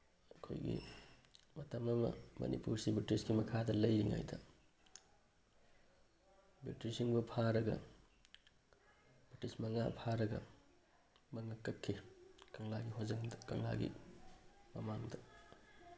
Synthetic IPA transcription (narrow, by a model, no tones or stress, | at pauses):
ɐkʰo̰jɡḭ | mɐtɐmɐmɐ̰mɐ̰nḭpuɾsibɾitisɡimɐkʰadɐlɐjɾiŋa̰jdɐ | bɾitɾisiŋbupʰaɾɐɡɐ̰ | bitismɐŋapʰaɾɐɡɐ̰ | mɐŋakːɐkʰːikɐŋlaɡiɦozɐŋdkɐŋla̰ɡḭ | mɐmaŋdɐ